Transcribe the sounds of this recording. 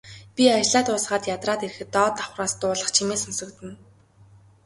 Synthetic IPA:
pʲiat͡ɕɮaːt̪ʊːsɢaːt̪jat̪raːt̪eɾɘ̆xɘ̆t̪ːɔːt̪ḁχraːst̪ʊːɮə̆χt͡ɕʰimeːsɔnsɞ̆kt̪ɘ̆n

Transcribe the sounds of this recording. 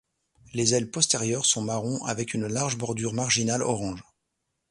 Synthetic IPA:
lezɛlpɔst̪eʁjœʁsɔ̃maʁɔ̃ʔa̰vɛkynlaʁʒbɔʁd̪yʁmaʁʒinalɔ̰ʁɑ̃ʒ

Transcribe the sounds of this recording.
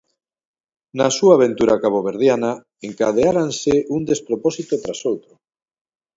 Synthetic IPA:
nasuaːβ̞ent̪uɾʔakaβoβ̞eɾð̞jana | eŋkað̞eaɾansɪʔund̪espɾopɔsit̪ot̪ɾasowt̪ɾʊ

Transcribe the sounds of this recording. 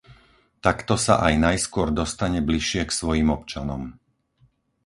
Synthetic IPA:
t̪akt̪ɔsa̰ʔajnajskʊɔɾd̪ɔst̪aɲɛbliʃɪɛksʋɔjiːmɔpt͡ʃanɔm

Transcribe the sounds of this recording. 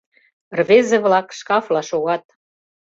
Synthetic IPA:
rβezeβlɑkʃkɑflɑʃoɣɑt̪̚

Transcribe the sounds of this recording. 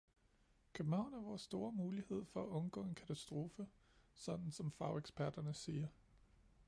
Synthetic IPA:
kʰøb̥̚n̩hɑ̈ʊ̰næɐʋɒːsːd̥o̝ːɐmuːlihe̝ð̞̰ˠfɒ̽æʔɔ̽nɡ̥ɔ̰ːe̝nkʰæt͡sʰæsd̥ʁo̝ːfə | sɒ̽d̥n̩sɒ̽mfɑ̈ʊeɡ̥sb̥æɐd̥ɐnəsiːɐ

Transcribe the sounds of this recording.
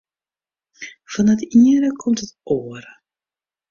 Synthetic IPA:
fɑnətiəɾəkʰɔmtətoːərə

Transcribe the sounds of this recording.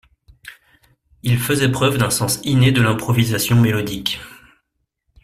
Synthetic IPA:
ilfəzɛpχœvd̪ɛ̃sɑ̃sined̪əlɛ̃pχɔvizasjɔ̃melɔd̪ik

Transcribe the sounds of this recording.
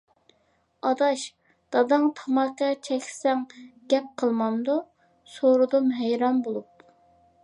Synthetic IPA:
ɑd̪ɑʃ | d̪̥ɑd̪ɨŋt̪ʰɑmɑkɑt͡ʃʰɛkʲʰsɛŋɡ̥ʲɛp̚qʰəlˠmɑnd̪u | soɾud̪umɦɛjɾɑnbolˠup̚

